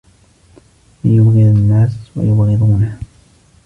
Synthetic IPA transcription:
jʊbɣɪd̪anːaːswa̰jʊbɣɪd̪ˤuːna

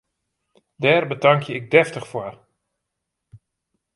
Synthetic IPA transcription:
dɛːrbədaŋkʰjəɪɡ̚dɛftəχfwar

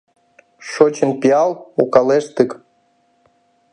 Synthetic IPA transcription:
ʃot͡ɕənpiɑlˠukɑleʃt̪ɨk

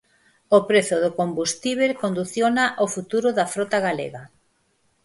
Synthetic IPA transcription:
opɾeθʊðʊkombust̪iβ̞elkond̪uθjonaʔofut̪uɾʊðafɾot̪aɣalḛɣa

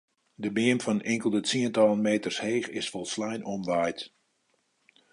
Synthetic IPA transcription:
dəbɪəmfɔnɪŋkəlˠdətiəntɔlˠənmeːtərsheːxɪsfɔlˠslɛjnʔɔmʋajt

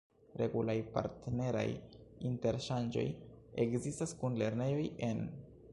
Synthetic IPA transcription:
ɾe̞ɡulajpa̰ɾtne̞ɾa̰jinte̞ɾʃand͡ʒo̞̰jekzistaskunle̞ɾne̞jo̞je̞n

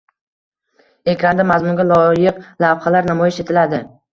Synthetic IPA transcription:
ekʲʰɾand̪amazmʊnɡʲalˠɒjɪqlavχalaɾnamɒjɪʃet̪ʰɪlad̪ɪ

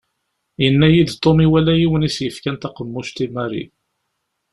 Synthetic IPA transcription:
jənːæjid̪t̪ˤːomiwælæjiwənisjəfkænt̪æqəmːʊʃt̪imæɾḭ

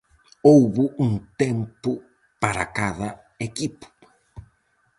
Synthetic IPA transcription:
owβʊʔuŋt̪empʊ | paɾa̰kaðɐ | ekipʊ̥

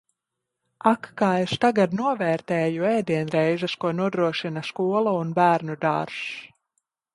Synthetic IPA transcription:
akːaːeʃt̪aɡad̪nuɔvɛːɾt̪ɛːjuɛːd̪iɛnɾɛjzaskuɔnuɔd̪ɾuɔʃinaskuɔlˠaunbæːɾnud̪a̰ːɾs

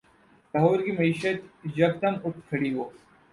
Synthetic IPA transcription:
sɐɦoːɾkimɐiːʃət̪d͡ʒɐɡ̚t̪ɐnʊʈʰkʰɐɽiɦoː

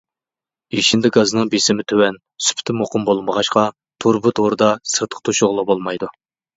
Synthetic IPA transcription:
eʃɪnd̪ɪɡɑzɨnɨŋbesɪmɪt̪ʰøwɛn | sy̥pʰt̪ʰɪmoqʊmbolˠməʁɑʃqɑ | t̪ʰoɾbʊt̪ʰoɾɨd̪ɑsɨɾt̪ʰə̥χt̪ʰuʃoʁlˠɑbolˠmɑjd̪u

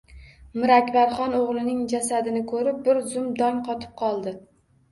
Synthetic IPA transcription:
mɪɾakʲbaɾχɒnoʁlˠɪnɪŋd͡ʒasad̪ɪnɪkʰɵɾɪp̚bɪɾzʊmd̪ɒŋqʰɒt̪ʰɪ̥p̚qʰɒlˠd̪ɪ

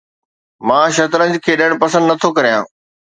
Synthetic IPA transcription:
mãːʃɐt̪ɾə̃nd͡ʑkʰeːɗɐɽ̃pɐsə̃nd̪nɐt̪ʰokɐɾijãː

